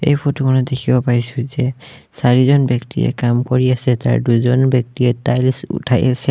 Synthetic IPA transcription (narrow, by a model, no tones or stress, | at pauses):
ḛjpʰɔtukʰɔnɔdekʰibɔpajsʊzɛ | saɹizɔnbjɔktḭɛ̰kamkoɹiasɛta̰ɹduzɔnbjɔk̚tiɛtalisṵtʰajasɛ